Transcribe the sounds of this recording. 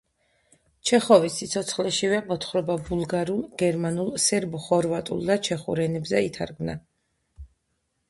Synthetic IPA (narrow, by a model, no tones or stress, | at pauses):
t͡ʃʰɛχɔvisːit̪sʰɔt̪sʰχlɛʃivɛmɔt̪ʰχɾɔbabulˠɡaɾulˠɡ̥ɛɾmanulˠsɛɾbχɔɾvat̪ʼṵlˠd̪at͡ʃʰɛχṵɾɛnɛbzɛit̪ʰa̰ɾɡmna̰